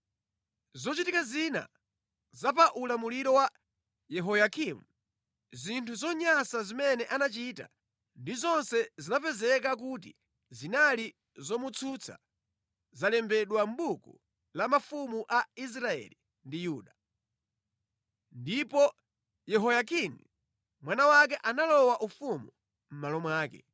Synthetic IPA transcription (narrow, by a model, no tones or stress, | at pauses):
zɔt͡ʃitikazina̰ | zapaʔulamuliɾɔwa | jɛɦɔjakʰimu | zintʰuzɔɲasazimɛnɛʔanat͡ʃita̰ | ndizɔnsɛzinapɛzɛkak̬ut̬ḭ | zinali | zɔmut͡sʰut͡sʰa̰ | zalɛmbɛɗwam̩ɓuku | lamafumuʔais̬ɾaɛ̰li | ndijuːɗa | ndipɔ | jɛɦɔjakinḭ | mwanawak̬ɛʔanalɔwaʔufumu | m̩malɔmwaːkɛ̰